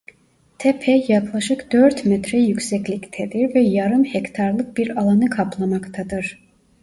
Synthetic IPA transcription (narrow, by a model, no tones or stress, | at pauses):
t̪ʰɛpʰɛjaklˠaʃɯkd̪̥øɾt̪mɛt̪ɾɛjycsɛclʲict̪ʰɛd̪iɾvɛjaɾɯmhɛct̪ʰaɾlˠɯk̚biɾalˠanɯkʰaplˠamakt̪ʰad̪ɯɾ̥